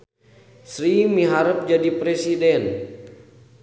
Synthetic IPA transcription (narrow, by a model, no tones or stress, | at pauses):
sɾimiɦaɾəp̚d͡ʒadipɾesidɛn